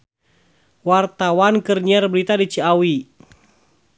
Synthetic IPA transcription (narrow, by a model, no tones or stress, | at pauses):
wart̪awankərɲiarbəɾit̪adit͡ʃiawi